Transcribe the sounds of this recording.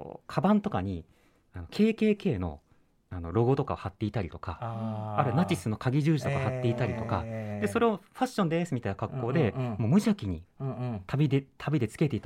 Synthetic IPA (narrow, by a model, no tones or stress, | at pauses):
kʰabãnt̪o̞kaɲ̟i | ano̞kʰe̞ːke̞ːke̞ːno̞̰ | ano̞̰ɾo̞ɡo̞t̪okahat̪ːe̞it̪aɾʲit̪o̞̥kaaɾɯ̟nat͡ɕisɨno̞kaɡʲiʑɨːʑi̥t̪o̞kahat̪ːe̞it̪aɾʲit̪o̞ka̰d̪e̞so̞ɾe̞o̞ɸaɕːõ̞nd̪e̞sɨmʲit̪ainakakːo̞ːd̪e̞mo̞ːmɯ̟ʑakʲiɲ̟it̪ʰabʲid̪et̪ʰabʲid̪e̞t͡sɨ̥ke̞t̪e̞it̪